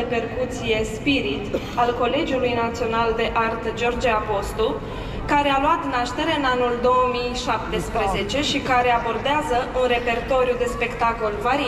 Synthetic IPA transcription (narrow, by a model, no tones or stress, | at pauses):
epe̞rkut̪sije̞spiɾit̪ | alko̞le̞d͡ʒiulujnat̪sio̞nald̪e̞ʔart̪d͡ʒo̞rd͡ʒeapo̞st̪u | kaɾe̞alwat̪naʃt̪e̞ɾeɨnanuld̪o̞wəmijʃap̚t̪e̞spɾeze̞t͡ʃe̞ʃikaɾe̞abo̞rd̪eazəʔunre̞pe̞rt̪o̞ɾiud̪e̞spe̞kt̪ako̞lvaɾi